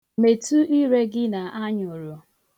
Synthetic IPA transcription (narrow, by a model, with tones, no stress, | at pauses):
me˨tu˦i˦ɾe˦ɡɪ˦na˨ʔa˦ɲʊ˨ɾo˨